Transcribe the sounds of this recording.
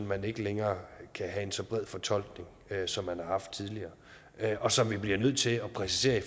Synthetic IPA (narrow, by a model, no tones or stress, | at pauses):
nmæne̝ɡ̥əleŋɐːkʰæɦæe̝nsɒ̽b̥ʁɛð̰ˠfɒ̽t͡sʰɒ̽l̰ɡ̥ne̝ŋ | øsɒ̽mːænhɑ̈hɑ̈fd̥̚t͡sʰiðˠliɐː | ɒ̽sɒ̽mʋib̥liɐnøð̞̰ˠt͡sʰe̝lɒpʰʁɛsise̝̰ːɐi